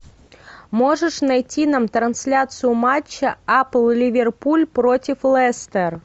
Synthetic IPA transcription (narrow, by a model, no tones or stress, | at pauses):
moʐəʂnɐjtʲinamt̪ɾɐnsʲlʲat̪sɨjʊmat͡ɕːɐaplˠlʲivʲerpulʲpɾotʲɪflˠɛst̪ɛr